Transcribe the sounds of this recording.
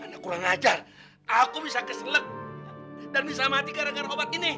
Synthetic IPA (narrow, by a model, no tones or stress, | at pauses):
anakuɾaŋad͡ʒar | akubisakəsələk̚ | danbis̬amat̪ikaɾaɡaɾobat̪̚ini